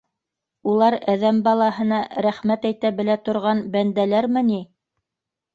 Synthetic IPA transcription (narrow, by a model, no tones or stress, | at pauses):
ulˠɑɾæðæmbɑlˠɑhɤ̆nɑɾæχmæt̪æjt̪æbɘ̆læt̪ŏɾʁɑnbænd̪ælæɾmɘni